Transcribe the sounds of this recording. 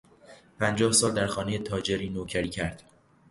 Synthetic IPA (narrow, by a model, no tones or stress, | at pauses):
pʰænd͡ʒɒːhsɒːld̪æɾxɒːne̞je̞t̪ʰɒːd͡ʒeɾiːnoːcʰæɾiːcʰæɾd̪̥